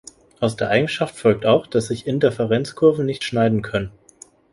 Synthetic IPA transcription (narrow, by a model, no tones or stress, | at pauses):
ʔaʊsd̥eːɐʔaɪɡŋ̩ʃaftfɔlk̚taʊxd̥asz̥ɪçɪntɛɐfɛʁɛnt͡skʰʊɐvn̩nɪçtʃnaɪdn̩kʰœnən